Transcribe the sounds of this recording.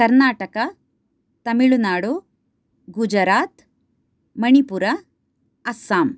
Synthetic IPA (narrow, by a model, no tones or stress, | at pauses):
kɐɾnaːʈɐkɐ | t̪ɐmiɭunaːɽu | ɡud͡ʒɐɾaːt̪ | mɐɳipuɾɐ | ɐsaːm